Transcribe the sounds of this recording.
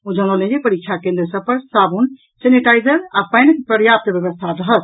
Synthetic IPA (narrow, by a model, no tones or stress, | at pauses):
od͡ʒə̃ŋəlẽd͡ʒepəɾik̚ːt͡ʃʰakẽnd̪ɾəsəb̚pəɾsabun | seniʈajzəɾapəjnkpɾəɾjap̚t̪bjəβəst̪ʰaɾəɦət̪